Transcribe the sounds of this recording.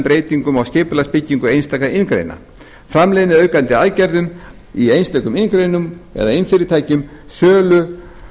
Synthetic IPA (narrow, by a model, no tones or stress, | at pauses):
pɾeːjt̪iŋkʏmawscɪːpʏlaspɪcːiŋkʏejnst̪ajkaɪnkɾḛjna̰ | fɾamlejðɪnɪœːɥkant̪ɪaðcɛɾðʏm | iejnst̪œːjkʏmɪnkɾejnʏmɛ̰ðaɪnfɪɾɪɾt̪ʰaːjcʏmsœːlʏ